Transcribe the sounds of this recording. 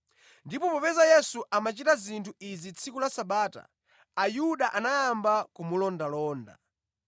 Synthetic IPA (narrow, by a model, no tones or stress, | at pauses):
ndipɔpɔpɛzajɛsuʔamat͡ʃitazintʰuizit͡sʰikulasaɓaːta̰ː | juɗaʔanajambakumulɔndalɔːnda̰